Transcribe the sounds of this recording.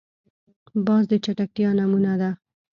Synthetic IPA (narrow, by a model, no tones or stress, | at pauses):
bɑzd̪ət͡ʃaʈak̚ʈ̪jɑnamunad̪a